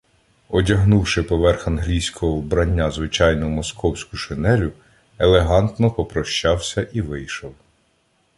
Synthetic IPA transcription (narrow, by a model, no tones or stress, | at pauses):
ɔdʲɐɦnuwʃɪpɔʋɛrxɐnɦlʲijsʲkɔɦɔwbɾɐnʲːazʋɪt͡ʃɑjnʊmɔskʰɔwsʲkʊʃɪnɛɾʲʊ | elˠeɦɑnt̪nɔpɔpɾɔʃt͡ʃɑwsʲɐʔiʋɪjʃɔw